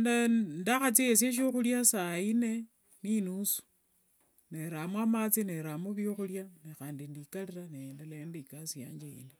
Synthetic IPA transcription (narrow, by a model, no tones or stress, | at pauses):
ndandaxat͡sies̬eʃ̬oxuljasaine̞ | ninusu̥ | neɾamwamat͡sineɾamoβjoxuljanexaːndindikaliɾanendaleendikasija̰ːɲd͡ʒeḭli